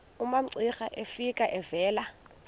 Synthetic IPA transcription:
umam̩ǀixaʔefikʼaʔɛvɛːla

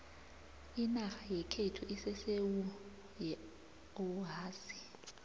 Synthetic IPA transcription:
inaxajɛkʰetʰuʔisɛsewu | jɛ | oɦaːsi̥

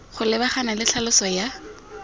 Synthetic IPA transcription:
χʊlɪbaχanalɪɬʰalʊsɔja

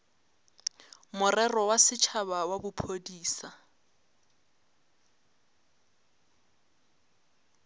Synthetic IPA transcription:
mʊrɛrɔwasɪt͡ʃʰabawabʊpʰodiːsa

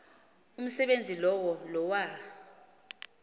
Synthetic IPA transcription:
um̩sɛɓend͡zʱilɔwɔlɔwa

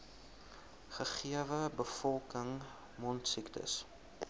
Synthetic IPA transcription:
χəχiəvəbəfɔlˠkəŋ | mɔntsiktʰə̰s

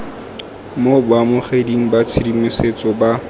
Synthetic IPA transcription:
mobwamʊχediŋ̩bat͡sʰidimɪset͡sʼɔba

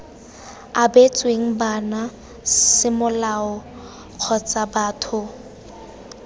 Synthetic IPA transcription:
abet͡sʼweŋ̩bana | sɪmʊlaʊ | q͡χʰɔt͡sʼabaːtʰʊ

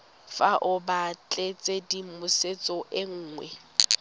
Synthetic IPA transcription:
faʔʊbat͡ɬʼet͡sʼedimʊset͡sʼɔʔɪŋ̩ːŋwɛ̰

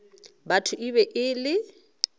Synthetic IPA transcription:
batʰʊʔibɛʔɪlɪ

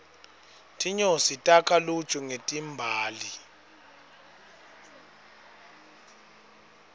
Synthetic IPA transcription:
tʰiɲositʼakʰalu̥t͡ʃʼuŋetʼimbʱaːli

